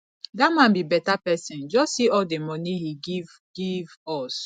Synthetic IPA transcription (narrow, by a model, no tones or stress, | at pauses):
damãnbibɛtapɛsĩnd͡ʒɔssiɔldemɔnihiɡiv | ɡ̥ivɔs